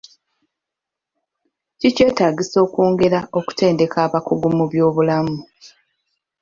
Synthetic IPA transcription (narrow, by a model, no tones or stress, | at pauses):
cice̞ːtaːɟiso̞ːkoːŋɡe̞ɾao̞ku̥te̞ːnde̞kaːβakuɡumuβjo̞ːβulamu